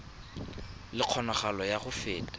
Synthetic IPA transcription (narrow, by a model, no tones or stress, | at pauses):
lɪq͡χʰɔnɔχalɔjaχʊfeːtʼḁ